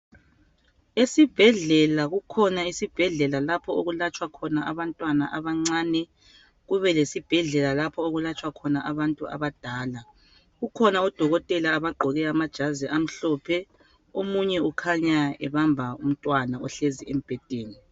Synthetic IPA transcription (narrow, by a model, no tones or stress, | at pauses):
esib̥ʱɛɮɛlaɣukʰɔnaisib̥ʱɛɮɛlalapʰɔoɣulat͡ʃʼwakʰɔnaʔaβantʼwanaʔaβaŋ͡ǀaːnɛ | ɣuβɛlesib̥ʱɛɮɛlalapʰɔoɣulat͡ʃʼwakʰɔnaʔaβantʼua̰βad̥ʱaːla | ɣukʰɔnaɔd̥ʱɔɣɔtʼɛlaːβaɡ͡ǃʱɔɣɛamad̥ʒ̥ʱaziʔam̩ɬɔpʰɛ | omuɲɛukʰaɲaɛβambʱaum̩tʼwanaɔɬeziem̩b̥ʱɛtʼeːni